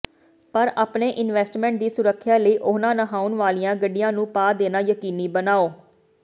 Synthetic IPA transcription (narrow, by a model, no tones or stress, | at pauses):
pəɾaːpneːʔɪnʋɛːsʈmɛ̃ːɳʈ̚d̪iːsʊɾəkʰːjaːləiːʔʊːnãːnəɦaːʊnʋaːlijãːɡəɖːɪjãːnũːpaːd̪eːnaːjəkiːniːbənaːoː